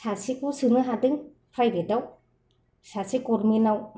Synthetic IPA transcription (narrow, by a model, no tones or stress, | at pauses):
sasikusɯŋɯɦadɯŋ | pʰajɾedaw | sasʰikoɾminaw